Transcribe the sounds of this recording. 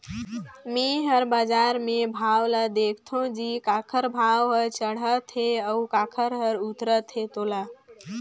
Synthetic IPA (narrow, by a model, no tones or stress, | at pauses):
meɦəɾbad͡ʒaɾmebʱawlad̪ekʰt̪ʰõd͡ʒikakʰəɾbʱawɦəɾt͡ʃəɽ̤ət̪ʰɦeəukakʰəɾɦəɾut̪ɾət̪ʰɦet̪ola